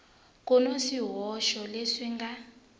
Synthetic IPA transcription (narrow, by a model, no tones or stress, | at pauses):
kʼɔnosiɦɔʃɔleʂiŋɡa